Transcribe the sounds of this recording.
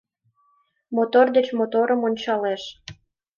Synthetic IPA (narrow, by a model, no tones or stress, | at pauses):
mot̪ord̪et͡ɕmot̪oɾəmonʲt͡ɕɑleʃ